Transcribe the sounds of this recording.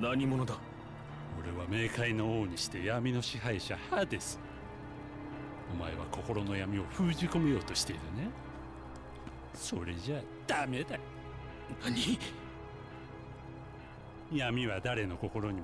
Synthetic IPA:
naɲimo̞no̞d̪a | o̞ɾe̞βame̞ːkaino̞oːɲ̟iɕi̥t̪e̞jamʲino̞ɕiɦaiɕahad̪e̞sɨ̥ | omaeβako̞ko̞ɾo̞no̞jamʲio̞ɸɯ̟ːʑiko̞me̞jo̞ːt̪o̞ɕi̥t̪e̞iɾɯ̟ne | so̞ɾe̞ʑa | d̪̥ame̞d̪a | naɲi | jamʲiβad̪aɾe̞no̞ko̞ko̞ɾo̞ɲ̟i

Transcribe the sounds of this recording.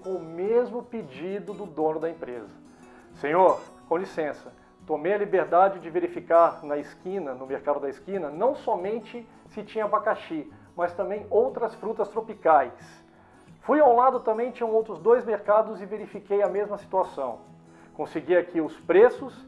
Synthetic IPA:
ʊmezmʊped͡ʒid̪ʊd̪ʊd̪õnʊd̪ɐẽpɾezɐ | sẽɲoɾ | kõlisẽsɐ | t̪omejɐlibeɾd̪ad͡ʒɪd͡ʒɪveɾifikaɾnɐɪskĩnɐnʊmeɾkad̪ʊd̪ɐɪskĩnɐnɐ̃w̃sɔmẽnt͡ʃɪ | sɪt͡ʃĩɲɐbakaʃi | mɐst̪ɐ̃mbẽj̃owt̪ɾɐsfɾut̪ɐst̪ɾopikajs | fujaw̃lad̪ʊt̪ɐ̃mbẽj̃t͡ʃĩɲɐ̃owt̪ɾʊzd̪ojzmeɾkad̪ʊzɪveɾifikejɐmezmɐsi̥t̪uasɐ̃w̃ | kõsɪɡiakiʊspɾesʊs

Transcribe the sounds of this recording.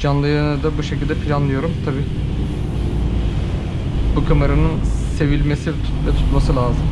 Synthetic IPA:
d͡ʒanlˠɯjɯnɯd̪abuʃecʰilʲd̪ɛpʰilʲanlɯjo̞ɾumt̪ʰabiː | bukʰamaɾanɯnse̞vilʲme̞sit̪ʰu̥vɛt̪ʰu̥t̪masɯlʲaːzɯm

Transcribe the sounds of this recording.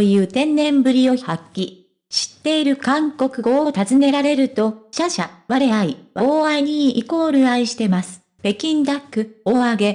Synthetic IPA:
ojɯ̟ːt̪ẽ̞nːẽ̞mbɯ̟ɾʲijo̞hakʲːi | ɕi̥t̪ːe̞iɾɯ̟kãŋko̞kɯ̟ɡo̞ːt̪azɨne̞ɾaɾe̞ɾɯ̟t̪o̞ɕaɕaβaɾeaiβaoːaiɲ̟iːko̞ːɾɯ̟aiɕi̥t̪e̞masɨ̥ | pe̞kʲĩnd̪akːɯ̟o̞ːaɡe̞

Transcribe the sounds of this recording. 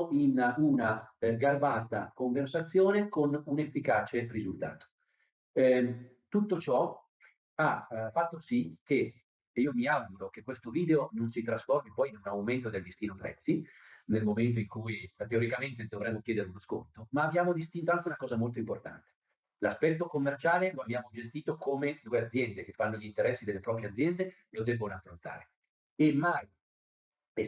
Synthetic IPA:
inunaɡarbaːt̪a̰koɱversat̪sːjoːnekonunefːikaːt͡ʃerizult̪a̰ːt̪o̥ | t̪ut̪ːot͡ʃɔ | afːat̪ːosik̟e | iːomiaɡuɾok̟ekwest̪oviːd̪eononsit̪ɾasformipɔjnunawment̪od̪eld̪ist̪iːnopɾɛ̰t̪sːinelmoment̪̬oiŋkujt̪eoɾikament̪ed̪ovɾɛmːok̟jɛːd̪eɾeunasko̰nt̪omaːbːjaːmod̪ist̪int̪oaŋk̟eunakɔːzamolt̪oimport̪a̰nt̪e̥ | laspɛt̪ːokomːert͡ʃaːleloabjaːmod͡ʒest̪iːt̪okomed̪uːeat̪zjɛnd̪ekefːanːoʎint̪eɾɛsːid̪elːepɾɔːp̬ɾjeat̪zːjɛnd̪e | lod̪ɛbːonafːɾont̪a̰ːɾe | emːaj

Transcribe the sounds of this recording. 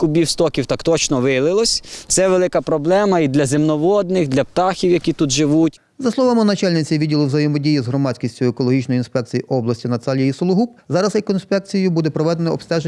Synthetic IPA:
kʊbʲiwst̪ɔkʲiwt̪ɑkt̪ɔt͡ʃnɔʋɪlˠɪlˠɔsʲt̪sɛʋelˠɪkɐpɾɔblˠɛmɐid̪lʲɐzemnɔʋɔd̪nɪxd̪lʲɐpt̪ɑxʲiwjɐkʲit̪ut̪ʒɪʋutʲ | zɐslˠɔʋamɪnɐt͡ʃɑlʲnɪt͡sʲiʋʲidʲilˠɪwzɐjɛmɔdʲijizɦɾɔmɑt͡sʲkʲisʲtʲʊjʊekɔlˠɔɦit͡ʃnɔjinspɛk̚t͡sʲijiʔɔblˠɐsʲtʲinɐt̪ɑlʲijɐisɔlˠʊɦupzɑɾɐzɛkɔinspɛk̚t͡sʲijʊbud̪ɛpɾɔʋɛd̪enɐɔpst̪ɛʒe

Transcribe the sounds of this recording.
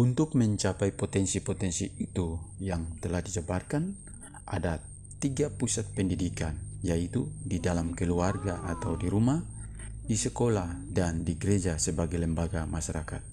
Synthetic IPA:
unt̪ʊk̚mɛɲt͡ʃapaipɔt̪ɛnsipɔt̪ɛnsiit̪ujaŋt̪ɛlahdisəbarkan | ʔa̰da | t̪iɡapusat̪̚pɛndidikanjait̪udidalamkɛluarɡaʔat̪awdiɾumah | disɛkolahdandiɡɾed͡ʒasɛbaɡajlɛmbaɡamasaɾakat̪̚

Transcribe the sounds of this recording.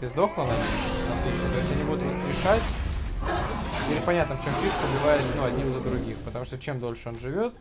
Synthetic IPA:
bʲɪzd̪o̞klˠənəɐt̪lʲit͡ɕnət̪o̞ɪsʲtʲɐnʲibud̪ʊt̪rəspɾʲɪʂatʲ | ilʲɪpɐnʲat̪nəft͡ɕo̞mpʲiʂt̪əblʲɪvajɪsʲnuɐd̪ʲnʲimɨzəd̪ɾʊɡʲixpət̪ɐmuʂt̪ot͡ɕe̞md̪o̞lʲʂɨo̞nʐɨvʲo̞t̪̚

